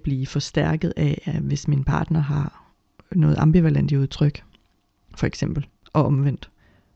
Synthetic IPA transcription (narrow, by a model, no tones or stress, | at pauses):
b̥liːfɒ̽sd̥æɐ̰ɡ̥əð̞̩ˠæʋe̝sminpʰɑ̈ːd̥nɐɦɑ̈ | nɔ̽ːð̞̩ˠɑmb̥iʋælen̰d̥iuð̞ˠt͡sʰʁœɡ̥ | fɒ̽eɡ̥sem̰b̥l̩ | ʔɒ̽ɒ̽mʋen̰d̥